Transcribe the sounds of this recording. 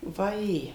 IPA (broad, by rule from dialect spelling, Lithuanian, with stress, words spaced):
ʋɐˈjeː